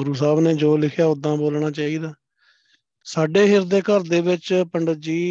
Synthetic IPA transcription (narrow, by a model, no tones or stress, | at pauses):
ɡʊɾuːsaːbnẽːd͡ʒoːlɪkʰjaːʊd̪ãːboːlɳaːt͡ʃaːiːd̪aː | saːɖeːɦɪɾd̪eːkəɾd̪eːʋɪt͡ʃpəɳɖəd͡ʒiː